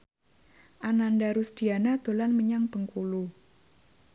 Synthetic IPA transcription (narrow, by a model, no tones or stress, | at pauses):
ʔanandaɾusd̪̥i̤anad̪̥o̤lanməɲaŋb̥əŋkulu